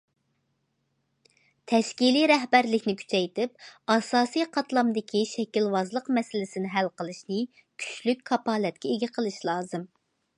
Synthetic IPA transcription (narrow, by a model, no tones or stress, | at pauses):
t̪ʰɛʃkʲiliɾɛɦbæɾlɪkʲnɪkʲʰy̥t͡ʃʰɛjt̪ɪp̚ɑsɑːsijqʰɑt̪lˠɑmd̪ɪkʲʰiʃɛkʲilwɑzlˠəqmɛsɪlɪsɪnɪɦælqəlˠɨʃnɨ | kʲʰy̥t͡ʃlyk̚ʲkʰɑpɑːlɛt̪̚kʲɛeɡʲɪqʰəlˠɨʃlˠɑːzɨm